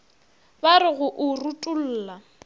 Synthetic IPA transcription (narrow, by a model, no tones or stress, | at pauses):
baɾɪɣʊʔʊrutʼul̩ːla